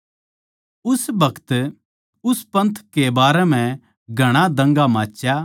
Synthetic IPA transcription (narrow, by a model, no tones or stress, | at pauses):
ʊsbɐkʰt̪ | ʊspɐ̃nt̪ʰkebaːɾɛmɛ̃ | ɡʱɐɽ̃ad̪ɐ̃ŋɡamãːt͡ʃːja